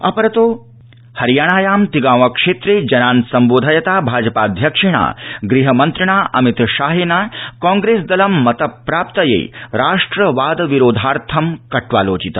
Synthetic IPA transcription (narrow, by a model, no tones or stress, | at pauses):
ɐpɐɾɐt̪oː | hɐɾjaːɽ̃aːjaːmt̪iɡaːʋɐkʂeːt̪ɾeːd͡ʒɐnãːnsɐmboːd̪ʱaːjɐt̪aːbʱaːd͡ʒɐpaːd̪ʱjɐkʂiɳ̃a̰ːɡɾiɦɐmɐnt̪ɾɐɳ̃aːʔɐmit̪ʃaːɦeːnaːkɔ̃ːŋɡɾeːsd̪ɐlɐmːɐt̪ɐpːɾaːp̚t̪ɐjḛːɾaːʂʈɾɐʋaːd̪ʋiɾoːd̪ʱaːɾt̪ʰɐmkɐʈʰʋaːloːt͡ʃit̪ɐ